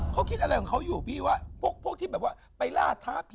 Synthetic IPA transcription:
kʰa˦˥wkʰi˦˥t̪̚ʔa˧ɾa˧jʰɔ˨˩kʰa˦˥wjuː˨˩biː˥˩waː˥˩pʰu˥˩ək̚pʰu˥˩ək̪̚ʰiː˥˩bɛː˨˩p̚waː˥˩ | pa˧jla̰ː˧˥˩t̪ʰaː˦˥˩pʰ

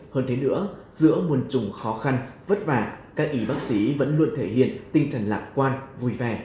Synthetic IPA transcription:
həː˧nt̪ʰe˨˦nɨ̰˧˥ə | z̥ɨ̰˧˥əmu˨˩ənt͡ɕʊ˨˩ŋ͡mxɔ˨˦xa˧nvə˦˥t̚vaː˧˩kaː˦˥k̚ʔi˨˦ɓaː˦˥k̚si˨˦və̰˧˥nlu˧ənt̪ʰe˧˩hḭ˧˨ənt̪ï˧ŋt͡ɕə˨˩ŋ̟laː˨˩t̚kwaː˧nvu˨˩jvɛ˨˩

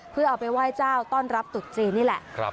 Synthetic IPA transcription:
pʰɯ˥˩ɐʔaː˨˩wpa˧jwaː˥˩jt͡ɕaː˥˩wt̪ɔː˥˩nɾa˦˥p̚t̪u˨˩t̪̚t͡ɕɾiː˧nːiː˥˩lɛ˨˩ʔ

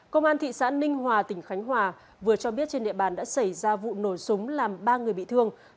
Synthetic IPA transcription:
kə˧wŋ͡mʔaː˧nt̪ʰḭ˧˨sa̰ː˧˥nï˧ŋ̟ɦwaː˨˩t̪ï˧˩ŋ̟xa˨˦jŋ̟ɦwaː˨˩ | vɨ˨˩ət͡ɕɔ˧ɓi˦˥ət̚t͡ɕe˧nɗḭ˧˨əɓaː˨˩nɗa̰ː˧˥sa˧˩jzaː˧vṵ˧˨no˧˩jsʊ˨˦ŋ͡mlaː˨˩mɓaː˧ŋɨ˨˩əjɓḭ˧˨t̪ʰɨ˧əŋ

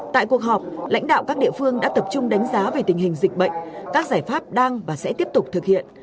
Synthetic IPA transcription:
t̪a̰ː˧˨ku˨˩ək̚ɦɔː˨˩p̚la̰˧˥jŋ̟ɗa̰ː˧˨wkaː˦˥k̚ɗḭ˧˨əfɨ˧əŋɗa̰ː˧˥t̪ə˨˩p̚t͡ɕʊ˧ŋ͡mɗa˨˦jŋ̟zaː˨˦ve˨˩t̪ï˨˩ŋhï˨˩ŋ̟zï˨˩k̚ɓə̰˧˨jŋ̟kaː˦˥k̚zaː˧˩jfaː˦˥p̚ɗaː˧ŋvaː˨˩sɛ̰˧˥t̪i˦˥əp̚t̪ʊ˨˩k͡p̚t̪ʰɨ˨˩k̚hḭ˧˨ən

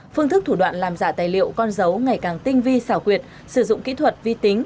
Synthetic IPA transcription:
fɨ˧əŋt̪ɨ˦˥k̚t̪ʰu˧˩ɗwa̰ː˧˨nlaː˨˩mzaː˧˩t̪aː˨˩jlḭ˧˨əwkɔ˧nzə˨˦wŋa˨˩jkaː˨˩ŋt̪ï˧ŋ̟vi˧saː˧˩wkwi˨˩ət̚ | sɨ˧˩zʊ̰˧˨ŋ͡mkḭ˧˥t̪ʰwə˨˩t̚vi˧t̪i˨˦ŋ̟

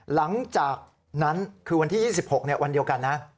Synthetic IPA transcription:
la˩˦ŋt͡ɕaː˨˩k̚ | na˦˥nkʰːɯː˧wa˧nt̪ʰiː˥˩jiː˥˩si˨˩p̚ho˨˩k̚ni˥˩ɐwa˧ndi˧əwka˧nːa˦˥

